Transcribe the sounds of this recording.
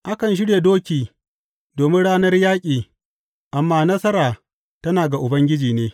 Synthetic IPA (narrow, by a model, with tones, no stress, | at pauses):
ʔa˦kɐ˨nʃ̬ɪ˦ɽje˨doː˦kʲiː˨ | doː˨mɪ˦nɽaː˦nɐ˦rjaː˦kʲʼiː˨ | ʔa˨mːaː˦nɐ˦sɐ˦ɾaː˨ | tɐ˦naː˨ɡa˨ʔʊ˨bɐ˦ŋɡʲɪ˦d͡ʒiː˨neː˦